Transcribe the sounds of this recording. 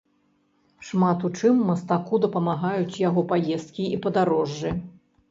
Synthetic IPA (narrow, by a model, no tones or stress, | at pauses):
ʂmat̪ut͡ʂɨmːɐst̪akud̪ɐpɐmaɣajut͡sʲjaɣɔpajɛst̪kʲiipɐd̪aɾɔʐːɨ